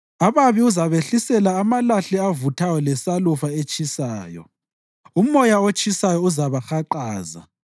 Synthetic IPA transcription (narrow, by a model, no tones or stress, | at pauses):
aβaβiuzaβeɬisɛlaːmalaɬɛavutʰajɔlɛsalufaet͡ʃʼisaːjɔ̰ | umɔjaot͡ʃʼisajɔuzaβaxaǃaːza̰